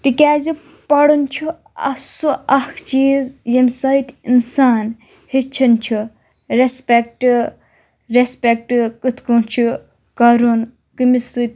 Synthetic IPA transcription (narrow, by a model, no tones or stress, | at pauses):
t̪ikʲaːzi | pɐɽunʲt͡ʃʰu | ɐ̰suɐkʰt͡ʃiːzjemsɐjt̪ʲinsaːn | hit͡ʃʰɐnt͡ʃʰu | ɾespʲek̚ʈ | ɾespʲek̚ʈkɨt̪ʰkunt͡ʃʰu | kɐɾun | kɨmisɨt̪ʲ